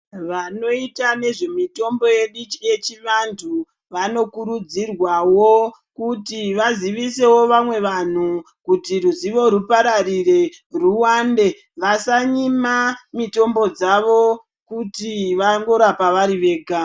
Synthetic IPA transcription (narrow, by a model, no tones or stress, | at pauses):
ʋano̞itane̞ʐe̞mito̞mbo̞je̞ɗit͡ʃije̞t͡ʃiʋandʰu | ʋano̞kuɾud͡zirwawo | kutiʋaziʋise̞wo̞ʋamwe̞ʋan̤u | kutiruziʋo̞ɾupaɾarire̞ruwaːnde̞ | ʋasaɲimamito̞mbo̞d͡zaʋo | kutiʋaŋɡo̞ɾapaʋaɾiʋe̞ːɡʱa